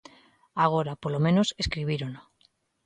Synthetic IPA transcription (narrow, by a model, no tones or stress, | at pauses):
aɣ̞oɾapolomẽnose̞skɾiβiɾono